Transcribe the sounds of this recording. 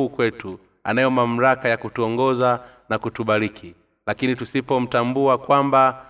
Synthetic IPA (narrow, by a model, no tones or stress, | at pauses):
uːkwɛtu | anajɔmam̩ɾakajakutuɔŋɡɔzanakutuɓaɾikʰi | lakinitusipɔm̩tambuakwamba